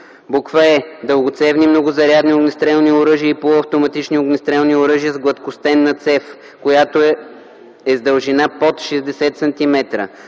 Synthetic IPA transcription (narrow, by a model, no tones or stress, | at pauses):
bokvəɛd̪əlˠɡʊt̪sɛvnimnɔɡʊzɐɾʲjad̪nioɡnist̪ɾɛlˠnioɾɤʒiəipooɐft̪omɐt̪it͡ʃnioɡnist̪ɾɛlˠnioɾɤʒijəzɡlˠɐt̪kʊst̪ɛnːɐt̪sɛf | kojat̪o | ɛzd̪ɐlˠʒinapot̪ʃɛzd̪ɛsɛt̪sɐnt̪imɛt̪ɾə̰